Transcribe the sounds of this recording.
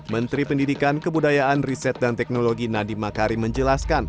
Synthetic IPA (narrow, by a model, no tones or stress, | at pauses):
mənt̪ɾipəndidikankəbudajaʔanrisɛt̪̚dant̪ɛk̚noloɡinadimakaɾiməɲd͡ʒəlaskan